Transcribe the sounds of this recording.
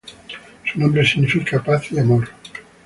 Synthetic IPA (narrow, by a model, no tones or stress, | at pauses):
sunõmbɾesiɣnifikapaθiamoɾ